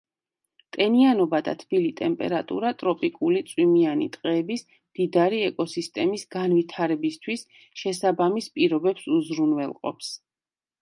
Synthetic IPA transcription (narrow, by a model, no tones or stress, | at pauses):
t̪ʼɛnianɔbad̪a̰t̪ʰb̥ilit̪ʼɛmpʼɛ̰ɾat̪ʼṵɾat̪ʼɾɔpʼikʼulit̪sʼwimianḭt̪ʼqʼɛːbis | md̪̥id̪aɾiɛkʼɔsist̪ʼɛmisɡ̥anvit̪ʰaɾɛbist̪ʰwis | ʃɛsabamispʼiɾɔbɛpsuzɾunwɛlˠqʼɔ̰ps